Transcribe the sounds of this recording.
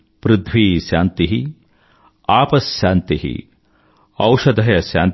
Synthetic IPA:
pɾɪd̪ʱʋiːʃjaːnt̪iɦi | aːpɐsjaːnt̪iɦḭ | ɐwʃɐd̪ʱɐjɐʃja̰ːn

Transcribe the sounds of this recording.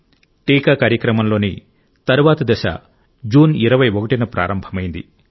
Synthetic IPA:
ʈiːkaːkaːɾjɐkɾɐmɐmlo̞ːni | t̪ɐɾuʋaːt̪ɐd̪ɐʃa̰ | d͡ʒuːniɾɐʋɐjokɐʈinɐpɾa̰ːɾɐmbʱɐmɐjind̪i

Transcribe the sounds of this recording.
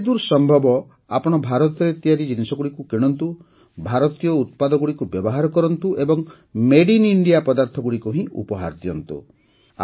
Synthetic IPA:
d̪uɾsɔmbʱɔbɔ | apɔɽ̃ɔbʱaɾɔt̪ɔɾet̪ijaɾid͡ʒinisɔɡuɽikukeɽ̃ɔnt̪u | bʱaɾɔt̪ijɔut̪̚pad̪ɔɡuɽikubjɔbɔɦaɾɔkɔɾɔnt̪uʔebɔŋ | meɽiniɳɖijapɔd̪aɾt̪ʰɔɡuɽikuɦĩṵpɔɦa̰ɾd̪ijɔnt̪ṵ | a̰

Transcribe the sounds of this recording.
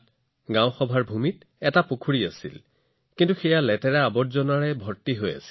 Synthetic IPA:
ɡãw̃xɔbʱaɹbʱumit | ɛtapokʰuɹiasḭl | kintuxɛjalɛtɛɹɛabɔtzɔnaɹɛbʱɔɹtiɦoja̰si̥l

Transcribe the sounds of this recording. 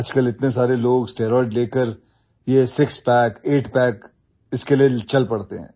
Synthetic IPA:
ɐd͡ʒkəlɪt̪nes̬aːɾeloːɡsʈeːɾɔːɪɖleːkəɾ | jesɪkspɛːkeːʈpɛːk | ɪskeliet͡ʃɐlpɐɽt̪eɦɛ̰̃ː

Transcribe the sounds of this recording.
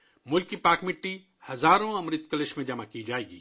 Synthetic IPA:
mʊlkːipaːɾkmɪʈːi | hɐzaːɾõɐmɾɪt̪kəlɪʃmẽd͡ʒɐmakid͡ʒaːeːɡiː

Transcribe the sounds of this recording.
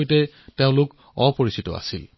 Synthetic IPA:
jtɛ | teʊ̃lʊk | ɔpoɹisitɔ̰a̰sil

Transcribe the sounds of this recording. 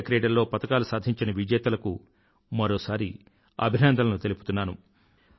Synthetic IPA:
kɾeːɖɐɾlo̞ːpɐt̪ɐkaːlusaːd̪ʱiɲt͡ʃinɐʋid͡ʒɛːt̪ɐlɐku | mɐɾo̞ːsaːɾi | ɐ̰bʱinɐnd̪ʱɐlɐnut̪e̞lipu̥t̪unːaːnu

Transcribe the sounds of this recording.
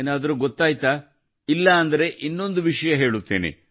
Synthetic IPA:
eːnaːd̪ɐɾuɡot̪ːaːjt̪aː | ilːɐːnd̪ɐɾe̞ʔinːo̞nd̪uʋiʂɐjɐɦe̞ːɭut̪ːḛːnḭ

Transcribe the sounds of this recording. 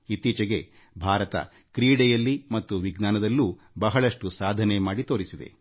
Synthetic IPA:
it̪iːt͡ʃɐɡe̞ | bʱaːɾɐt̪ɐ̰ | kɾiːɽɛjɐlːimɐt̪ːuʋiɡnaːnɐd̪ɐlːu | bɐɦɐɭɐʂʈusaːd̪ʱɐnemaːɽit̪oːɾisid̪e̞̰

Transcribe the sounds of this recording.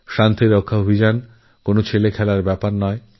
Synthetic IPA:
ʃant̪iɾokʰːaobʱid͡ʑan | konot͡ɕʰelekʰɛlaɾbɛpaɾnɔe

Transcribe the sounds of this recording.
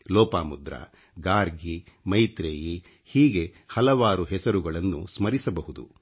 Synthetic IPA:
lɔːpaːmud̪ɾɐ̰ | ɡaːɾɡi | mɐjt̪ɾeːji | hiːɡe̞ | hɐlɐʋaːɾuɦɛsɐɾuɡɐɭɐnːṵsmɐɾisɐbɐɦud̪ṵ

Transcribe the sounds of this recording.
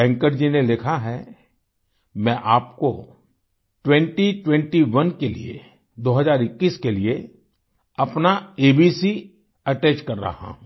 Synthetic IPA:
ɛ̃ŋkəɾd͡ʒinelɪkʰaɦɛ | mɛ̃ːʔaːpko̰ | ʈwɛ̃ɳʈiʈwɛ̃ɳʈiʋɐnkelḭḛ | d̪oːɦɐzaːɾɪkːiːskelie | ɐpnaeːbisi | ɐʈɛːt͡ʃkɐɾːa̰ɦã̰ː

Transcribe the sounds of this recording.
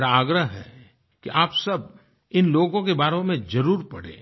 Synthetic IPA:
ɾaaːɡɾəɦɦɛ̰ | kiʔaːpsɐb̚ | ɪnloːɡõkebaːɾõmẽzɐɾuːɾpɐɽ̤ḛ̃ː

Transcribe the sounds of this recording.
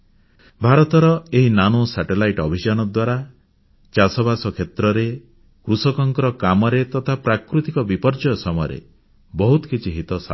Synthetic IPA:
bʱaɾɔt̪ɔɾɔeɦinanosaʈelajʈɔbʱid͡ʒanɔd̪waɾa | t͡ʃasɔbʱasɔkʰet̪ɾɔɾe | kɾusɔkɔŋkɔɾɔkamɔɾet̪ɔt̪ʰapɾakɾut̪ikɔbipɔɾd͡ʒɔjɔsɔmɔjɔ̰ɾḛ | bɔɦut̪ɔ̥kit͡ʃʰiɦit̪ɔsa

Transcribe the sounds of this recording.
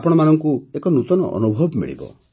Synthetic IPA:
apɔɽ̃ɔmanɔŋkuekɔnut̪ɔnɔ̰ʔɔ̰nubʱɔbmḭɭḭbɔ̰

